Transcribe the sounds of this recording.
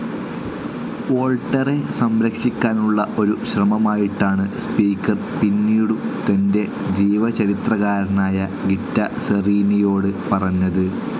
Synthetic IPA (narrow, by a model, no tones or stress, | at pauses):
o̞ːɭʈːɐre̞sɐmɾɐkʂikʲːaːnuɭːɐʔo̞ɾuɕrɐmɐmaːjiʈːaːɳɨspiːkːɐr | pinːiːɽut̪ɐnde̞ | d͡ʑiːʋɐt͡ɕɐɾit̪rɐɣaːɾɐnaːjɐɡitːɐsɐriːnijo̞ːɽɨpɐrɐɲːɐðɨ